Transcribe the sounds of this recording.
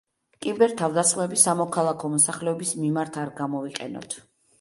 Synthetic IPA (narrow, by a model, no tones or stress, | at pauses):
kʼimbɛɾt̪ʰavd̪asχmɛbisamɔkʰalˠakʰɔmɔsaχlɛɔbismimaɾt̪ʰaɾɡamɔviqʼɛ̰nɔ̰t̪ʰ